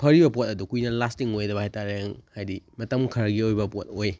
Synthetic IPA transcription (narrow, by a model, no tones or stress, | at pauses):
pʰɐɾibɐpot̚ɐdukujnɐlastiŋojdɐbɐhajtaɾeŋhajdimɐtɐmkʰɐɾɐɡiojbɐpot̚oj